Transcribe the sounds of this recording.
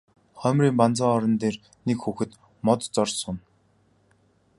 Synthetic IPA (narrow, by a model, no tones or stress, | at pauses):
χœmʲriːmpant͡sə̆ŋɔɾɞ̆nt̪eːr | nekxuxɘ̆t̪ | mɔt̪t͡sɔrsʊn